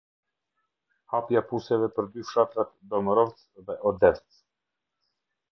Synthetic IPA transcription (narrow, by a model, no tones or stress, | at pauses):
hapjapusɛvɛpəɾd̪yfʃat̪ɾat̪d̪ɔmɾɔvt͡s | ðɛʔɔd̪ɛft͡s